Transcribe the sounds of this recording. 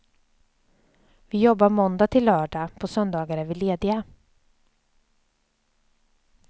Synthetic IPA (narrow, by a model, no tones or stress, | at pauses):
vɪjɔbːaɾmɔnd̪ɑːt̪ʰɪlːœːɖɑːpʰosœnd̪ɑːɡaɾæɾvɪleːd̪ɪa